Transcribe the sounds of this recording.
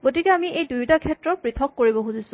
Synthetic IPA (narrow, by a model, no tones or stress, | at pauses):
ɡot̬ikɛamiʔejdujtakʰɛtɹɔpɹit̪ʰɔkːoɹibɔxuzisʊ̥